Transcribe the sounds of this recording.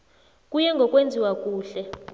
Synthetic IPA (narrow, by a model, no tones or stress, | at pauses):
kʼujɛŋɡʱɔkʼwend͡zʱiwakʼuːɬɛ